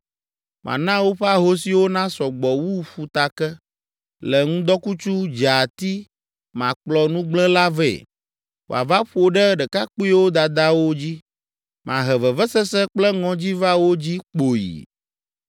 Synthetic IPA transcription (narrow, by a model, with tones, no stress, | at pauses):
mʔã̰˨nã˦wo˦ɸe˦a˦ɦo˦si˨wo˦nã˦sɔ˨ɡ͡bɔ˨wu˦ɸu˨t̪a˨kɛ˦ | lɛ˨ŋũ˦d̪ɔ˦ku˦t͡ʃu˦d͡ʒa˨t̪i˦ | mã˨k͡plɔ˨nũ˦ɡ͡blɛ̃˦la˦vɛ̰˦˨ | wo̰˨a˨va˦ɸo˨ɖɛ˦ɖɛ˨ka˦k͡pu˦wo˦d̪a˨d̪a˦wo˦d͡ʑi˦ | mã˨ɦɛ˨vɛ˨vɛ˦sɛ˦sɛ˦k͡plɛ˦ŋɔ̃˨d͡ʑi˦va˦wo˦d͡ʑi˦k͡po˨jḭ˨